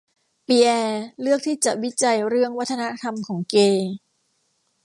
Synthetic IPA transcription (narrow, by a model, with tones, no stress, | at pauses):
pi˧˩ʔɛː˧lɯ˥˩ək̚t̪ʰiː˥˩t͡ɕa˨˩ʔwi˦˥t͡ɕa˧jɾɯ˥˩əŋwa˦˥t̪ʰːa˧na˦˥t̪ʰa˧mkʰɔː˩˦ŋkeː˧